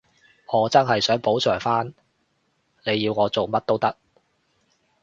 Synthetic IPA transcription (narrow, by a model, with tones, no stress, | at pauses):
ŋɔː˨˧t͡sɐ˥nɦɐ˨jsœː˨˥ŋpo˨˥wt͡ʃʰœː˨˩ŋfaː˥n | ne˨˧jːiː˧wŋɔː˨˧t͡so˨wmɐ˥t̚t̪o˥wt̪ɐ˥k̚